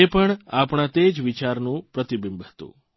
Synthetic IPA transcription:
epəɳapɳ̃at̪ed͡ʒʋit͡ʃaɾnũpɾət̪ibimbəɦə̥t̪ṵ̃

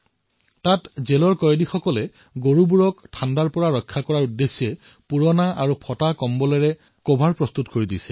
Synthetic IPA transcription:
tatzelɔɹkɔjdixɔkɔlɛ | ɡoɹubuɹɔktʰandaɹpɔɹaɹɔjkʰːakɔɹaɹudːesːɛ | puɹɔnaʔaɹupʰɔtakɔmbɔlɛɹɛ | kɔbʱaɹpɹɔstutkoɹidisɛ

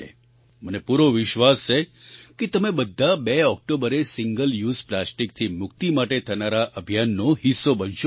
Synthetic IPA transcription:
e | mənepuɾoʋɪʃʋast͡ʃʰe | ket̪əmẽbəd̪ʱːabeɔk̚ʈobəɾesɪŋɡəljuzplasʈik̚t̪ʰimʊkt̪imaʈet̪ʰənaɾaʔəbʱijanːohisːobənʃo

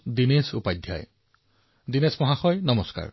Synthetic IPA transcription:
dinesupajd̪ʱja̰j | dinesmɔɦaxɔjnɔmɔska̰ɹ

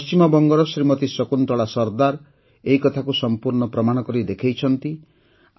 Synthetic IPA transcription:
pst͡ʃimɔbɔŋɡɔɾɔsɾimɔt̪isɔkunt̪ɔɭasɔɾd̪aɾ | eikɔt̪ʰakusɔmpuɾɳɔpɾɔmaɽ̃ɔkɔɾid̪ekʰejt͡ʃʰɔnt̪i

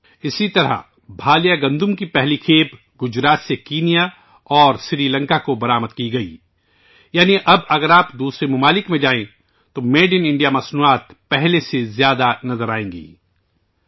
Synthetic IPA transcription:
ɪsit̪ɐɾa̰ | bʱaːlijaɡɐ̃nd̪ʊmkipɛɦlikʰeːp | ɡʊd͡ʒɾaːt̪sekiːnija | ɔːɾsɪɾiːlɐ̃ŋkakobɐɾaːməd̪̚kiɡɐḭː | jaːniʔɐbɐɡəɾaːpd̪uːsɾemɐmaːlɪkmẽd͡ʒaːẽ | t̪omeːɖɪnɪ̃ɳɖijamɐsnuaːt̪pɛɦlesezjaːd̪anɐzəɾaːẽːŋɡḭː

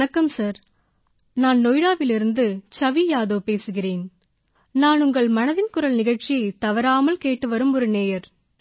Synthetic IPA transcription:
nɐkːɐmsaːɾ | naːnnɔjɽaːʋɪlɪɾɯnd̪ɯt͡ʃɐʋijaːðoːpeːsɯɣɪreːn | naːnʊŋɡɐɭmɐnɐðɪnkʊɾɐɭnɪɣɐɻt͡ʃijɐt̪ɐʋɐɾaːmɐlkeːʈːɯʋɐɾɯmɔɾɯneːjɐɾ

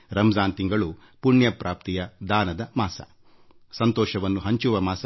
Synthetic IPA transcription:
ɾɐmzaːnt̪iŋɡɐɭu | puɳjɐpɾʔaːpt̪ijɐd̪aːnɐd̪ɐmaːsɐ̰ | sɐnt̪ɔːʃɐʋɐnːuɦɐɲt͡ʃuʋɐmaːsɐ

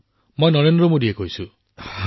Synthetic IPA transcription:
mojnɔɹendɹɔmodiekojsu

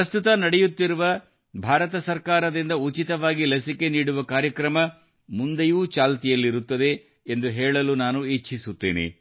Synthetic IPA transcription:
pɐst̪ut̪ɐnɐɽejut̪ːiɾuʋɐ | bʱaːɾɐt̪ɐsɐɾkaːɾɐd̪ind̪ɐut͡ʃit̪ɐʋaːɡilɐsike̞niːɽuʋɐkaːɾjɐkɾɐmɐ | mund̪ɐjuːt͡ʃaːlt̪ijɐlːiɾut̪ːɐd̪e̞ː | nd̪uɦɛːɭɐlunaːnuit͡ʃːt͡ʃʰisut̪ːḛːnḛ

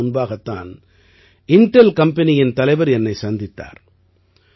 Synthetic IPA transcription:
ʊnbaːɣɐt̪ːa̰ːn | ɪɳʈɐlkɐmpɐnɪjɪnt̪ɐlɐɪʋɐɾɛnːɐɪsɐnd̪ɪt̪ːa̰ːɾ

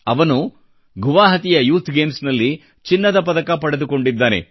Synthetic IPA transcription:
ɐʋɐnu | ɡuʋaːɦɐt̪ijɐjuːt̪ʰɡe̞ːmsnɐlːi | t͡ʃinːɐd̪ɐpɐd̪ɐkɐpɐɽed̪uko̞ɳɖid̪ːaːne̞̰

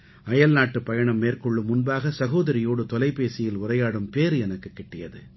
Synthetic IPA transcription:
ɐjɐlnaːʈːɯpːɐjɐɳɐmːeːrkɔɭːɯmːʊnbaːɣɐsɐɣoːðɐɾɪjoːɽɯt̪ɔlɐɪpeːsɪjɪlʊɾɐjaːɽɯmpeːɾɯɛnɐkːɯkːɛʈːɪjɐðɯ̰

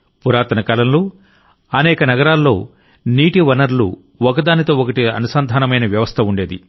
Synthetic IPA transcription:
puɾaːɾt̪ɐnɐkɐːlɐnloː | ɐnɛːkɐnɐɡɐɾaːlːo̞ː | niːʈiʋɐnɐɾlṵ | ɔkɐd̪aːnit̪o̞ːokɐʈiɐ̰nusaːnd̪ʱaːnɐmɐjnɐʋjɐʋɐst̪ʰɐuɳɖe̞ːd̪ḭ

